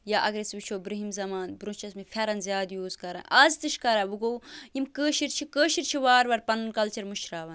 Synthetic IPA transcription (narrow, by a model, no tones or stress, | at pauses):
jaːʔɐɡɾesbit͡ʃʰoːbɾɐɦimzɐmaːnbɾũt͡ʃɐsmifʰʲɐɾɐnzʲjaːd̪juːzkɐɾɐ̰nɐːzt̪ɨʃkɐɾɐːʋuɡoːjimkəːʃiɾt͡ʃʰikəːʃiɾt͡ʃʰiʋaːɾʋɐɾpɐnnkɐlt͡ʃɐɾmuʃɾaːʋɐn